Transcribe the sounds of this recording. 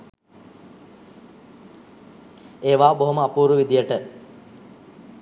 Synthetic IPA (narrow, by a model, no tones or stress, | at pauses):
eːʋaːboɦoməapuːɾuʋid̪ijəʈə